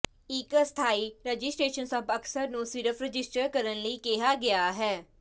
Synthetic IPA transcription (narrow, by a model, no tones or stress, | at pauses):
ɪkst̪ʰaːiːɾəd͡ʒɪsʈɾeːʃənsəbəksəɾnũːsɪɾəfʰɾəd͡ʒɪsʈəɾkəɾənləiːkeɦaːɡeaːɦɛː